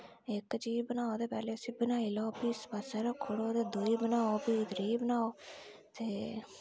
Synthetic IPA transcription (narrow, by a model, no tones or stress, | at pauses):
ɪkt͡ʃiːzbənaːoːd̪eːpɛːleːəsĩːbənaːiloːpiːspasɛːɾoːkʰoɽoːt̪eːd̪oːiːbənaːoːbiːt̪əɾiːbənaːoːt̪eː